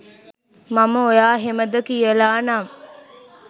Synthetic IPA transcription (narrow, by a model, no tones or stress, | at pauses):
maməojaːɦeməd̪ɐkijəlaːnaːm